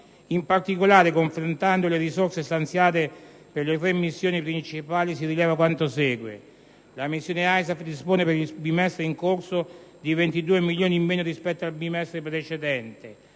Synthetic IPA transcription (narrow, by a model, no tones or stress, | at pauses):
impart̪ikolaːɾekoɱfɾont̪and̪oleɾisorsest̪ant̪sjaːt̪e | perlet̪̬ɾemːisːjoːnipɾint͡ʃipaːlisirilɛːvak̬want̪osɛːɡwḛ | lamisːjoːneajsafd̪ispoːnepeɾibimɛst̪ɾeiŋkorsod̪ivent̪id̪uːemiljoːnimːeːnoɾispɛt̪ːoalbimɛst̪ɾepɾet͡ʃed̪ɛnt̪e